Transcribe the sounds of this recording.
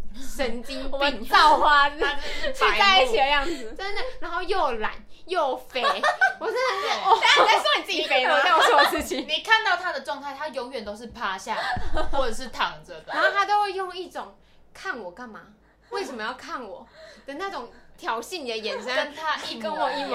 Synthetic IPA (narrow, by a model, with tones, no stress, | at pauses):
ʂə˧˦nt͡ɕi˦˥ŋi˥˧t͡sɑ˥˩xwa˦n˥˩t͡ɕʰy˥˧˩t̪a˥˧ɪi˥˩t͡ɕʰi˨d̪ə˦jɑ˥˩ŋd͡zɹ̩˨˩t͡sə˥nd̪ə˨˩ɻa˧˦nho˥˧ʊjo˥˩ʊla̰˨˩˦n | jo˥˩ʊfe˧wɔ˨˩sə˥ə˨˥˩a˥˧sa˥˩ni˨˩t͡s̩˥˩t͡ɕi˨˩fe˧ɪmə˧˩a˥˨sʰwɔ˥˩˧ʂɻ̩˥˩t͡ɕʰi˨ŋni˨˩kʰa˥˧nt̪ɑ˥˩ʊt̪ʰa˥d̪ə˨ʈ͡ʂwɑ˥˧ŋt̪ʰa˥˩ɪt̪ʰa˥jo˧˥ŋɥɛ˨˩nt̪o˥ʊʂɻ̩˥˩pʰa˦˥ɕja˥˩˨xwɔ˥˩ʈ͡ʂɤ˨˩ʂ̬ɻ̩˥˩t̪ʰɑ˨˩ŋt͡sə˨˦d̪ə˧˥˨t̪ʰa˥t̪o˥ʊwe˥˧jo˥˧ŋi˥˩ʈ͡ʂʊ˨˩ŋ | kʰa˥˩nwɔ˨˩ka˥˩nma˩ | we˥˩ɪʂə˨˩mə˦jɑ˥˧ʊkʰa˥˩nwɔ˨˩˦t̪ə˨˩ŋna˥˩ʈ͡ʂʊ˨˩ŋt̪ʰjɑ˨˩ʊɕi˥˩nni˨˩d̪ə˩jɛ˨˩nʂə˦kə˦nt̪ʰa˦˥i˥˩kə˦nwɔ˨˩i˥˧˩w